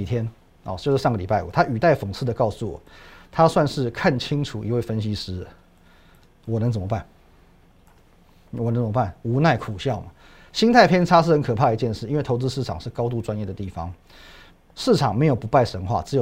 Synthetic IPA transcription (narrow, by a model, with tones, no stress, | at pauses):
i˨˩t̪ʰjɛ˥n | ɔ̰˧˩t͡ɕjo˥˧ʊʂ̩˥ʂɑ˥˩ŋə˩li˨˩pa˥˩ɪṵ˨˩t̪ʰa˥y˨˩t̪a˥˩ɪfo˨˩ŋsʰɹ̩˥˩d̪ə˩kɑ˥˧ʊsu˥˩wɔ̰˨˩˦t̪ʰa˥swa˥˧nʂɻ̩˥˧kʰa˥˩nt͡ɕʰi˥ŋʈ͡ʂʰu˨˩ḭ˧˥we˥˩ɪfə˥nɕi˥ʂɻ̩˥˨ | wɔ˨˩nə˧˥ŋt͡sə˨˩mə˦pa˥˩n | wɔ˨˩nə˧ŋt͡smə˦˥pa˥˩nu˧˥na˥˩ɪkʰu˨˩ɕjɑ˥˩ʊmɐ˩ | ɕi˥nt̪ʰa˥˧ɪpʰjɛ˥nʈ͡ʂʰa˥ʂɻ̩˥˩xə˧˥nkʰɤ˨˩pʰa˥˩ə˧˥t͡ɕjɛ˥˧nʂɻ̩˥˩i˥nwe˥˩ɪo˧˥ʊt͡sɹ̩˥ʂɻ̩˥˩ʈ͡ʂʰɑ˨˩ŋʂɻ̩˥˩kɑ˥ʊt̪̬u˥˩ʈ͡ʂwa˥njɛ˥˩d̪ə˩t̪i˥˩fɑ̰˦ŋ | ʂɻ̩˥˩ʈ͡ʂʰɑ˨˩ŋme˧˥ɪjo˨˩ʊpu˧˥pa˥˩ɪʂə˧˥nxwa̰˥˩t͡s̩˧˥jo˨